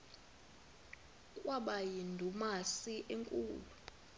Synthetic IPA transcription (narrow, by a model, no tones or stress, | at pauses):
kʼwaɓajindʱumasiʔeŋkʼuːlu